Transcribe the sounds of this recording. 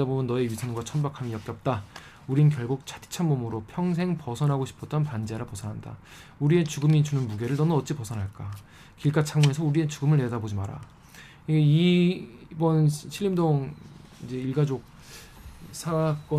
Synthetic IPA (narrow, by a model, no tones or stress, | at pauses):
abomjʌnːʌe̞ɥisʰʌnɡwat͡ɕʰʌnbakʰamijʌk̚t͡ɕ͈jʌp̚t͈a | uɾinɯnkjʌɭɡuk̚t͡ɕʰḁtʰi̥t͡ɕʰanmomɯɾopʰjʌŋs̬ʰe̞ŋpʌsʰʌnɦaɡoɕʰi̥pʰʌt͈̚ʌnpand͡ʑeɾapʌsʰʌnɦanda̰ | uɾie̞t͡ɕuɡɯmit͡ɕunɯnmuɡe̞ɾɯɭnʌnʌt̚t͡ɕ͈ipʌsʰʌnɦaɭk͈a | kiɭk͈at͡ɕʰaŋue̞sʰʌuɾie̞t͡ɕuɡɯmɯɭne̞dabod͡ʑimaɾa̰ | iɡei | bʌnɕʰiʎːimdoŋid͡ʑe̞iɭɡad͡ʑok̚ | sʰak͈ʌ